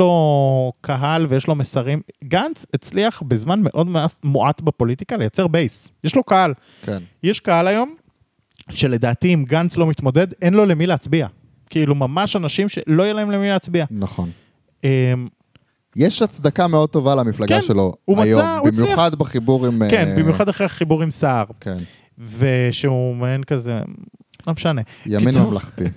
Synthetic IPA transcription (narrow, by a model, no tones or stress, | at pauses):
lo̞kʰaɦalvejeʃlo̞mesaʁimɡant͡set͡sliaχbezmanme̞ʔo̞dmeatmoʔatbepo̞lit̪ikalejat͡seʁbejsjeʃlo̞kahal | kenjeʃkahalajo̞m | ʃe̞le̞d̪aːt̪iːmɡant͡slo̞mit̪mo̞d̪e̞d̪enlo̞le̞mileːt͡sbia | kiilumamaʃanaʃimʃe̞̰lo̞jelahe̞mlemileat͡sbianaχon | em | jeʃat͡sd̪akameo̞d̪̚t̪o̞valamiflaɡkaʃnʃeloumajjoauimt͡sjuad̪beχibuʁimkenbimjuχad̪aχeχibuʁimsaːʁken | veʃeumenkazḛ | lomeʃane̞jainmamlaχt̪i